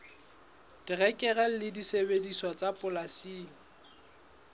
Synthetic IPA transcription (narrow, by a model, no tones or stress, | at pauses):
d̥irɛkʼɛrɛl̩lɪdisebedisɔt͡sʼapʼʊlasiːlɔ